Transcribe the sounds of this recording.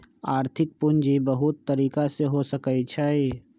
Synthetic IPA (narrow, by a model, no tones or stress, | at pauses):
aːɾt̪ʰɪk̚pʊnd͡ʒibəɦʊt̪ːəɾiːkaseɦosəkəit͡ʃʰai